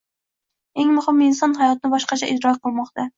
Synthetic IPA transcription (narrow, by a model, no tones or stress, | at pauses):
eŋmʊχɨminsɑnɦɑjɒt̪̚ɪnɪbɑʃqɑt͡ʃʰɛʔid̪ɾɑqʰəlˠmɑχt̪ɑ